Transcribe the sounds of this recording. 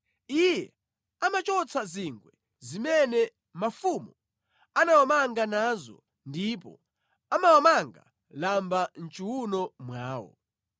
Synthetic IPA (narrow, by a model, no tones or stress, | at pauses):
ijɛ | amat͡ʃɔt͡sʰaziŋɡwɛ | zimɛnɛ | mafumu | anawamaŋɡanazɔ̰ | ndipɔ̰ | amawamaŋɡa̰ | lamban̩t͡ʃuwunɔmwaːwɔ̰